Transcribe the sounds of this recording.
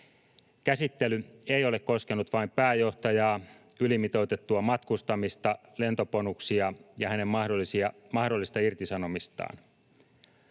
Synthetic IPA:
kæsit̪ːelyeijo̞le̞kko̞ske̞nut̪ʋɑimpæːjo̞ht̪ɑjɑː | ylimit̪o̞ut̪e̞t̪ːuɑmɑt̪kust̪ɑmist̪ɑle̞nt̪o̞ponuksiɑjɑhænemːɑosiɑmɑhdo̞lːˑist̪ɑirt̪isɑno̞mist̪ɑ̰ːn

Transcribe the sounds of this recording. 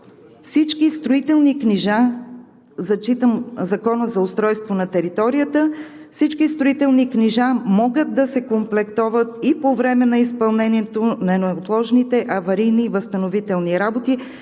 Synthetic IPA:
fsit͡ʃkist̪ɾoit̪ɛlˠnikniʒa | zɐt͡ʃit̪əmzɐkɔnəzɐʊst̪ɾɔjst̪vonɐt̪ɛɾit̪ɔɾijət̪ə | fsit͡ʃkist̪ɾoit̪ɛlˠnikniʒamɔɡəd̪̚d̪ɐsɛkomplɛkt̪ɔvət̪ipovɾɛmɛnɐispɐlˠnɛniɛt̪onɐɛnt̪lˠɔʒnit̪ɛʔɐvɐɾijnivəst̪ɐnovit̪ɛlˠniɾabot̪i

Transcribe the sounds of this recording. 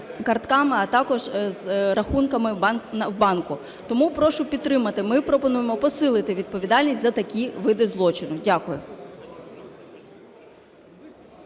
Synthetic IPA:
kɐrt̪kɑmɪɐt̪ɑkɔʒzɾɐxunkɐmɪnwbɑnkʊ | t̪ɔmupɾɔʃʊpʲid̪̚t̪ɾɪmɐt̪ɪmɪpɾɔpɔnujemɔpɔsɪlˠɪt̪ɪʋʲid̪̚pɔʋʲid̪ɑlʲnʲisʲzɐt̪ɐkʲiʋɪd̪ɪzlˠɔt͡ʃɪnʊdʲakʊjʊ̰

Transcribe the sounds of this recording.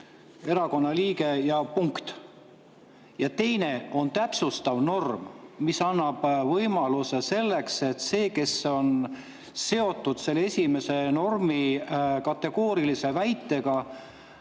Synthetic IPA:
e̞ɾɑko̞nːɑliːke̞jɑpuŋkt̪ | jɑt̪e̞jne̞o̞nt̪æpsust̪ɑvno̞rmmisɑnːɑb̥vɤjmɑluse̞se̞lːe̞kse̞t̪ːse̞ːke̞so̞n | se̞o̞t̪ːud̪̥se̞lːeesʲime̞se̞no̞rmikɑt̪ːe̞ɡ̥o̞ːɾilise̞væjt̪ːˑe̞ɡ̥ɑ

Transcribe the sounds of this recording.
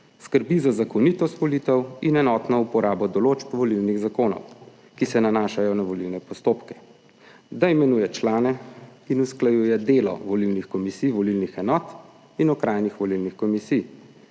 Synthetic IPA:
skəɾbizazakɔnit̪ɔst̪ʋɔliːt̪ɛwinɛnɔːt̪nɔupɔɾaːbɔd̪ɔloːt͡ʃpʋɔlilniɣzakoːnɔ̰w | kisɛnanaːʃajɔnaʋɔlilnɛpɔst̪oːpkɛ̥ | d̪aimɛnuːjɛt͡ʃlaːnɛinusklajuːjɛd̪eːlɔ̰ʋɔlilnixkɔmisijʋɔlilnixɛnɔːt̪ | inɔkɾaːjnixʋɔlilnixkɔmisij

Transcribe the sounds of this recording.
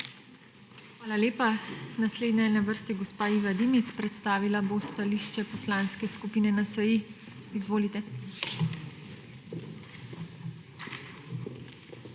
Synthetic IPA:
xʋaːlaleːpanasleːd̪najɛnaʋəɾst̪iɡɔspaːiʋad̪imit̪spɾɛt̪st̪aːʋilabost̪aliʃt͡ʃɛpɔslaːnskɛskupinɛnasəji | izʋoːlit̪ɛ

